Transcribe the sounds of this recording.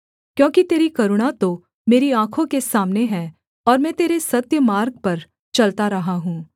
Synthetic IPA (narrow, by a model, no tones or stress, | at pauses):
kjõːkit̪eːɾikɐɾʊɽ̃at̪o | meːɾiãːkʰõkesaːmneɦɛ̃ː | ɔːɾmɛ̃ːt̪eːɾesɐt̪jəmaːɾɡ̚pɐɾ | t͡ʃɐlt̪aɾɐɦaɦũː